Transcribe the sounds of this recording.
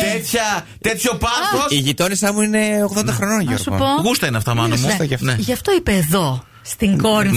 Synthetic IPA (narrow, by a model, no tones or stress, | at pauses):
t̪et̪çɐ | t̪e̞t̪ço̞pɐoiʝit̪o̞nisɐmuine̞oɣðo̞nd̪ɐxɾo̞noɲʝoɾsupoɣust̪ɐinɐft̪ɐmɐnost̪ɐʝɐfneʝɐft̪oipeːðo̞ | st̪iŋɡo̞ɾi